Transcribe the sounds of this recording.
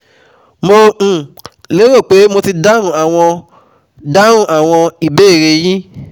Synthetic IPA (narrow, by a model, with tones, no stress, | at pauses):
mõ˧˨ | le˨˦ɾo˦˨k͡pe˨˦mo˧ti˧da˦ɾ̃ũ˦˨a˨w̃ɔ̃˧ | da˦ɾũ˦˨ʔa˨w̃ɔ̃˧i˨be˦˨ɾe˧jĩ˦